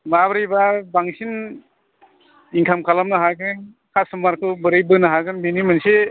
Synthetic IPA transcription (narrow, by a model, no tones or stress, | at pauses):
mabɾijbabaŋsin | iŋkʰamkʰalamnɯɦaɡɯn | kʰasumaɾkʰɯbɯɾɯjbɯnɯɦaɡɯnbinimɯnse